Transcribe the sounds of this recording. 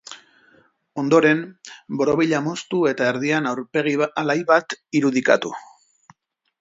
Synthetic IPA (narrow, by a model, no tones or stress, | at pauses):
o̞nd̪o̞ɾe̞mbo̞ɾoβiʎamo̞st̪ue̞t̪aeɾðianawɾpe̞ɣ̞ialajβat̪iɾuð̞ika̰t̪u